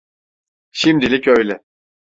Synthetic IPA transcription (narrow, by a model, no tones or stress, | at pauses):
ʃimd̪ilʲicøjlʲɛ